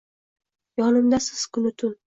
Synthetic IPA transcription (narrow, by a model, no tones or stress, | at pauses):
jɒnɪmd̪asɪz̥kʰʊnɪt̪ʰʊn